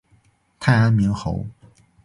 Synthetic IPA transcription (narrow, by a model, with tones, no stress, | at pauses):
t̪ʰa˥˩ɪa˥nmi˧˥ŋxo̰˧˥ʊ